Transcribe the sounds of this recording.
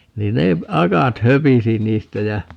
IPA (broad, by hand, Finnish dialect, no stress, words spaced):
niːn ne ɑkɑt høpisi niːstæ jæ